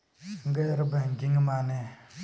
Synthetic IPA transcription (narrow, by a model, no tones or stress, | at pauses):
ŋɡaʔɾəbəɡiŋəmane